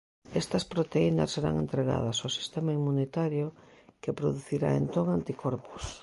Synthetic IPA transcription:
est̪ɐspɾot̪einɐ̰sːeɾa̰ŋent̪ɾeɣa̰ð̞ɐsosi̥st̪emaimːunet̪aɾjokepɾoðuθiɾa̰ḛnt̪oŋant̪ikʰoɾpu̥s

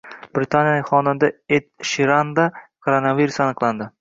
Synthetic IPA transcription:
b̥ɾɪt̪ʰanjaχɒnɪnd̪aet̪ʃiɾand̪akʰoɾonaviɾusanɨqlˠand̪ɪ

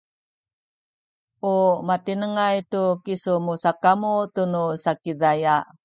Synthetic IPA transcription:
umatinəŋajtukisumusakamutunusakiðaja

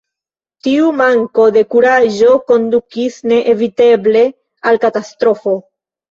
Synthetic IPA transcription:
tiumaŋko̞de̞kuɾaʒo̞ko̞ndukisne̞ʔevite̞ble̞ | alkatastɾo̞fo̞

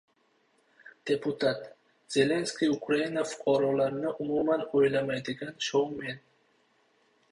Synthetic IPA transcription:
d̪̥e̞pʰʊt̪ʰat̪ | z̥e̞le̞nskʲijʊkɾainafʊ̥qʰɑɾɒlaɾɪnɪʔʊmumanojlamajd̪ɪɡʲanʃowme̞n

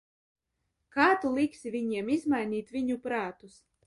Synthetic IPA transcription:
kaːt̪ulˠiksivʲiɲiɛmizmajnʲiːt̪vʲiɲupɾaːt̪us

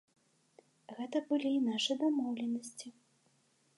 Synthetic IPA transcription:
ɣɛt̪ɐbɨlʲiːnaʂɨd̪amɔwlʲɛnɐsʲt͡sʲi

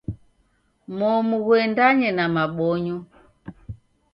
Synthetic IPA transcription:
mɔmuɣwɛndaɲɛnamaɓɔɲɔ

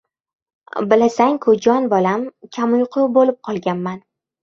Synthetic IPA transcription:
bɪlasaŋkʰʊd͡ʒɒnbɒlamkʲʰamʊjqʰʊbolɪp̚qʰɒlˠɡʲanman

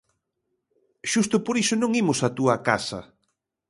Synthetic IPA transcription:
ʃust̪ʊpoɾisʊnõŋimʊsɐt̪uɐkasɐ̰

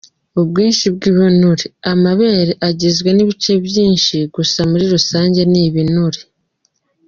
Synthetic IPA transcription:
oβɡiːnʃibɡiβunuɾeamaβeːɾeʔaɟezɡwe̞niβit͡ʃe̞βjiːnʃiɡusamuɾiɾusaːɲɟe̞niβinuɾe

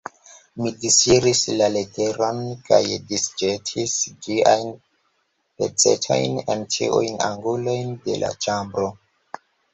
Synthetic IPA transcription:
midisiɾislale̞te̞ɾo̞nka̰jdisd͡ʒetʰisd͡ʒiajn | pḛt͡se̞̰tʰo̞̰jnent͡ʃḭʔṵjna̰ŋɡulo̞jnde̞̰la̰t͡ʃambɾo

